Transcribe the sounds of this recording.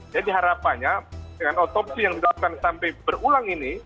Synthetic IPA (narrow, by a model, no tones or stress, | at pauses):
d͡ʒadiɦaɾapanɲaəŋanɔt̪ɔpsijaŋdit̪əlap̚kansampajbərulaŋini